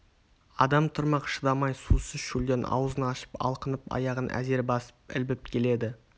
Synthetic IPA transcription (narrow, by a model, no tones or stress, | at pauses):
ɑd̪ɑmt̪ʰʊɾmɑqʃəd̪ɑmɑjsusəzʃuld̪enɑ̰wzənɑʃə̥pɑ̰lˠqənəpɑ̰jɑʁənʔæ̰ze̞ɾbɑsə̥p̚ɪ̰lbɪp̚kʲʰe̞le̞d̪ɪ